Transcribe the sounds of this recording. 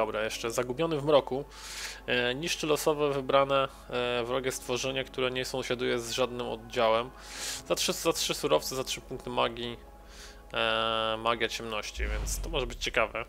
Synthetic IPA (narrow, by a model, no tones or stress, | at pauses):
ɔbɾajɛʂt͡ʂɛzaɡubʲjɔnɘvmɾɔku | ɲiʂt͡ʂɘlɔsɔvɛvɘbɾanɛ | vɾɔɡʲɛst̪fɔʐɛɲakt̪uɾɛɲɛsɔ̃w̃ɕad̪ujɛzʐad̪nɘmɔ̰d̪̚d͡ʑawɛm | zatʂɘzatʂɘsuɾɔft̪sɛzatʂɘpuŋk̚t̪ɘmaɡʲi | maɡʲjat͡ɕɛmnɔɕt͡ɕivʲjɛnt̪st̪ɔmɔʐɛbɘt͡ɕt͡ɕɛkavɛ